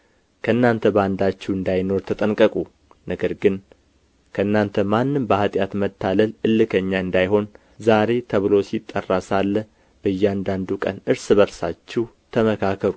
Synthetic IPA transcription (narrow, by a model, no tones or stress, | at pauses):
kʰəɨnːant̪ʰəband̪at͡ʃːɛwɨnd̪ajno̞ɾt̪ʰət̪ʼənkʼəkʼu | nəɡəɾɡɨn | kʰəɨnːant̪ʰəmanːɨmbəhat̪ʼjat̪mət̪ʰːaləlʔɨlːɨkʰəɲːaɨnd̪ajho̞n | zaɾe̞t̪ʰəβɨlo̞sit̪ʼːərːasalːə | b̥əjːɛand̪and̪ukʼə̰nɨɾsɨβəɾsat͡ʃːɛw | t̪ʰəməkʰakʰəɾu